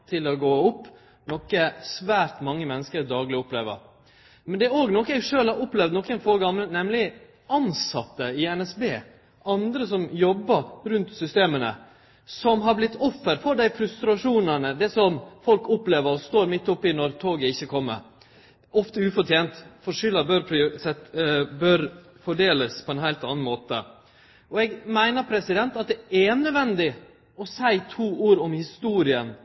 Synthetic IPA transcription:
t̪ʰɪlɔɡoːʊpː | nɔkːəsʋæːɾt̪mɑŋːəmɛnːəskəɾd̪ɑːɡlɪʊplḛːʋə̰ɾ | mɛnd̪ɛɾoːɡnɔkːəɛɡʂøːlhɑɾʊplɛʋd̪nɔkːɛnfoːɾɡɑmlənɛmlɪ | ʔɑnsɑt̪ːəɪɛnɛsbeː | ʔɑnd̪ɾəsɔmjɔbːəɾɾʉnt̪sʏst̪eːmənə̰ | sɔmɦɑɾblɪt̪ːɔfːəɾfɔɖ̪æɪfɾʉst̪ɾɑʂuːnənəd̪ɛsɔmfɔlkʊpleːʋəɾɔst̪oːɾmɪt̪ːɔpːɪnɔɾt̪ʰoːɡəɪçːəkʰɔmːə̰ɾ | ʔɔft̪əʉːfɔʈjeːnt̪fɔʂʏlɑbøɾpʰɾsɛbœɾ | fɔɖeːləspʰɔɛnhæɪlt̪ɑ̰nn̩moːt̪ə̰ | ɔɛɡmæɪnəɾpʰɾɛsɪd̪ɛnt̪ɑt̪̚d̪ɛʔænød̪ʋɛnd̪ɪ | ɔsæɪt̪ʰuːʔuːɾɔmhɪst̪uːɾɪən

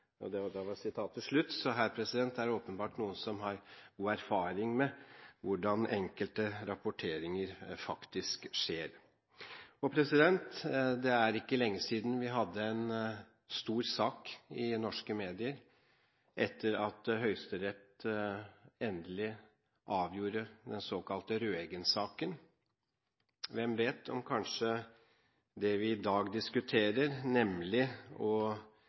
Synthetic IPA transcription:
ɔ̰d̪ɛd̪ɑʋɑɾsɪt̪ʰɑːt̪ʰːɪlʂɭʉt̪ːsɔɦæːɾpʰɾɛsɪd̪ɛnt̪d̪ææɖɛoːpənbɑːʈnuːənsɔmɦɑɾɡuːæɾfɑːɾɪŋmɛʋʊɖɑnʔɛŋkəlt̪əɾɑpʊʈʰeːɾɪŋəɾfɑkt̪ɪskʂeːɾ | ɔpʰɾɛsɪd̪ɛnt̪d̪ɛæɾɪkːəlɛŋːəsiːd̪n̩ʋɪɦɑd̪ːəɛn | st̪uːɾsɑːkɪnɔʂkəmeːd̪ɪəɾ | ʔɛt̪ʰːəɾɑt̪ɦœʏst̪əɾɛt̪ | ɛnd̪əlɪ | ʔɑːʋjuːɾəd̪ɛnsoːkɑlt̪əɾøːɛːɡənsɑːkən | ʋɛmʋeːt̪ʰɔ̰mkʰɑnʂə | d̪ɛʋɪːd̪ɑːɡd̪ɪskʉt̪ʰeːɾəɾnɛmlɪɔ

